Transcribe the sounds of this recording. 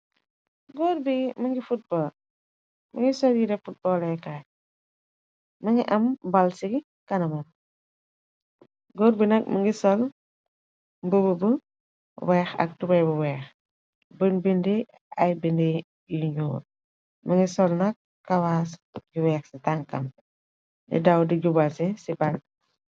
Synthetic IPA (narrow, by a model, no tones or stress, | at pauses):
ɡɔːrbimɐŋɡifut̚bɔːl | mɐŋɡisɔljiɾɛfut̚bɔlɛkaj | mɐŋɡiʔɐmbɐlsiɡi | kɐnɐmɐn | ɡɔɾbinɐk̚mɐŋɡisɔl | bəbəbə | wɛːxɐ̰k̚tubɐjbuwɛːx | bənbindi | ɐjbindi | jiɲɔːr | mɐŋɡisɔlnɐk | kːɐwaːsɡiwɛːxsitaŋkɐ̰m | dɛ̰dɐwdiɟubalsisiban